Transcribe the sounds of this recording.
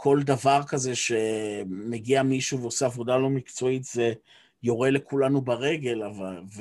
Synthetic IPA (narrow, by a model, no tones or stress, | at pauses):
kʰo̞ld̪avaʁkaze̞ʃe̞me̞ɡiamiʃuveoseavod̪alo̞mikt͡so̞it̪ze̞ | jo̞ʁe̞le̞kulanubaʁe̞ɡe̞lavalv